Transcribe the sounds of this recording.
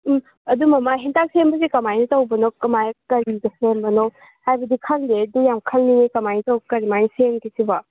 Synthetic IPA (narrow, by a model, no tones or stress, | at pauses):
ɐdumɐmaɦintak̚sembɐsikɐmajnɐtɐwbɐnokɐmajkɐɾiɡɐsembɐnow | hajbɐdikʰɐŋdedujamkʰɐlninikɐmajnitɐwkɐɾimajniseŋkisibɐ